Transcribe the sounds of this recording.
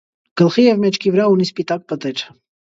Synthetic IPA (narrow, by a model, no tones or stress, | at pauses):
ɡ̥əlχijɛvmɛt͡ʃʰkʰivəɾɑunispit̪ɑk̚pət̪ɛɾ